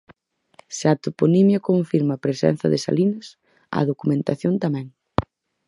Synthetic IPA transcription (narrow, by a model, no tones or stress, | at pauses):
sat̪uponimjokoɱfiɾmaːpɾesɛ̰n̟θɐ̰ðɪsa̰linɐs | ɐ̰ðokumẽnt̪aθjont̪amɛ̃ŋ